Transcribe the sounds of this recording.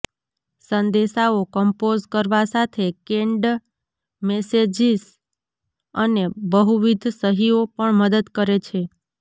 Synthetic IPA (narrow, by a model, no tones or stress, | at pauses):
sənd̪eʃaokəmpozkəɾʋasat̪ʰekeɳɖ | mesed͡ʒis | ənebəɦuʋid̪ʱsəɦiopəɳməd̪əd̪kəɾet͡ʃʰe